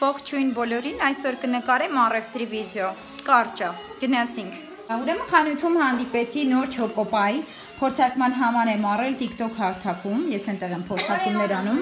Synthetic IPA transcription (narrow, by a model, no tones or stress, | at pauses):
pɔχt͡ʃʰujnbɔlɔɾinɑjsɔɾkənəkɑɾɛmɑrɛft̪ɾividɛɔ | kɑrt͡ʃəɡ̥ənɑt͡sʰiŋkʰ | uɾɛməχɑnut̪ʰumhɑnd̪ipɛt͡sʰinɔɾt͡ʃʰɔkɔpɑji | pʰɔɾt͡sʰɑɾkmɑnɦɑmɑɾɛmɑrɛlt̪ikt̪ɔkʰhɑɾt̪ʰɑkumjɛsɛnt̪ɛʁɛmpʰɔɾt͡sʰɑkumnɛɾɑnum